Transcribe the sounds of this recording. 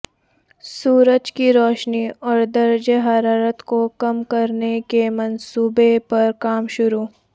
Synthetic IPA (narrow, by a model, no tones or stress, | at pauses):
suːɾəd͡ʒkiɾɔːʃniɔːɾd̪ɐɾd͡ʒeɦɐɾaːɾət̪kokɐmkɐɾnekemɐnsuːbepɐɾkaːmʃʊɾuː